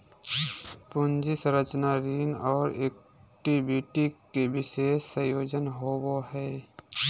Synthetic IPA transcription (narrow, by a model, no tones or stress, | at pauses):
pʊnd͡ʒisə̃ɾət͡ʃnaɾiːnɔːɾeːk̚ | ʈibiʈikebɪʃeːʃsə̃joːd͡ʒənɦowohɛː